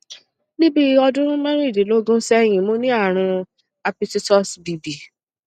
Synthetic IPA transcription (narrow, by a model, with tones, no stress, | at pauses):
nĩ˦bi˦ɔ˧dʊ̃˦ɾ̃ũ˦mã˦ɾũ˦i˦˨di˨lo˦ɡũ˦sɛ˦j̃ĩ˨mõ˦nĩ˦a˦˨ɾ̃ũ˧ | a˧pi˦ti˦tɔ˦sbi˨bi˨